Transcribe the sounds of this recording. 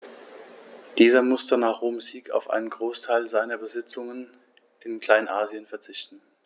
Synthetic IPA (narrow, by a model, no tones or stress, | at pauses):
d̥iːzɐmʊstənaːχʁ̥oːmziːkʰa̰ʊfʔa̰ɪnənɡʁoːstʰaɪlzaɪnɐbəzɪt͡sʊŋən | ɪnkl̥aɪnʔaːziənfɛɐt͡sɪçtn̩